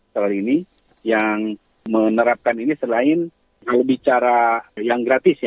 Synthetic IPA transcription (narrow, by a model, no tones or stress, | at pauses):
səkaliːni | jaŋ | mənəɾap̚kaninisəlaɪn | kalobit͡ʃaɾajaŋɡɾat̪ɪsja